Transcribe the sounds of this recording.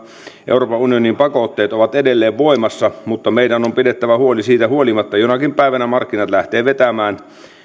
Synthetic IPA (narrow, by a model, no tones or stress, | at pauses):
ḛuroːpɑunionimpɑkot̪ːeːt̪oʋɑt̪edelːeːʋʋoimɑsːɑmut̪ːɑmeidænompidet̪ːæʋæhuolisiːt̪æhuolimɑt̪ːɑjonɑkimpæiʋænæmɑrkːinɑt̪læht̪eːʋet̪æmæːn